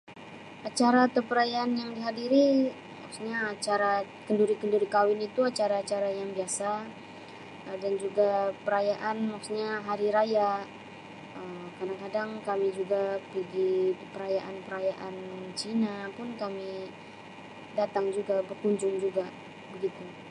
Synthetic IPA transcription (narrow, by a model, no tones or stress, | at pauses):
at͡ʃaɾat̪əpəɾajaːnjaŋdiɦadiɾi | ma̰kusɲaːt͡ʃaɾa | kənduɾikənduɾikawɪnit̪uat͡ʃaɾaːt͡ʃaɾajaŋbiasa | ədand͡ʒuɡapəɾajaʔanmaksɲaɦaɾiɾaja | əmkadaŋkadaŋkamid͡ʒuɡapiɡipəɾajaʔanpəɾajaʔant͡ʃinapʊnkami | dat̪aŋd͡ʒuɡabərkuɲd͡ʒʊŋd͡ʒuɡa | bəɡit̪u